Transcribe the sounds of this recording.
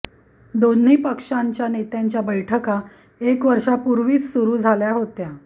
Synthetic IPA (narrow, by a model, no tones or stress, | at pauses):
d̪on̤iːpəkʂaɲt͡ɕjanet̪jaɲt͡ɕjabəjʈʰəka | ekʋəɾʂapuɾʋiːt͡ssuɾuːd͡zʱaljaɦot̪ja